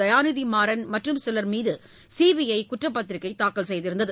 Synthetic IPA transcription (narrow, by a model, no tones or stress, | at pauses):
ɐjaːnɪðimaːɾɐnmɐʈrɯmsɪlɐɾmiːðɯ | siːʋiɐɪkʊʈrɐpːɐt̪ːɪɾɪkːɐɪt̪aːkːɐlsɛjðɪɾɯnd̪ɐðɯ